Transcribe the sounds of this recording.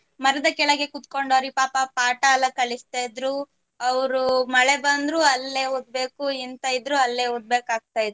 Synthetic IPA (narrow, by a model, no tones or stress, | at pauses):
mɐɾɐd̪ɐkɛɭɐɡe̞kut̪ko̞ɳɖoːɾipaːpɐpaːʈaːlːɐkɐɭist̪ajd̪ɾu | ɐʋɾumɐɭebɐnd̪ɾuːɐlːeːɦoːd̪̚be̞ːkuint̪ɐjid̪ɾuɐlːeɦod̪̚be̞ːkaːɡ̚t̪aːjid̪ɾu